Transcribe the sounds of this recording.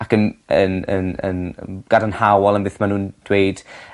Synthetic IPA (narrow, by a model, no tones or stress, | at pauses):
akənənə̰nə̰nɡ̥adanhawɔlˠənbɪθmanuːnd̥weɨd̥